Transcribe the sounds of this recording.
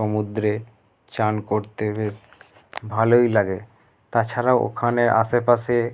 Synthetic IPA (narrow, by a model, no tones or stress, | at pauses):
omud̪ɾe | t͡ɕankoɾt̪ebes | bʱalojlaɡe | t̪at͡ɕʰaɾaoʔo̰kʰaneɾʔa̰ʃepaʃe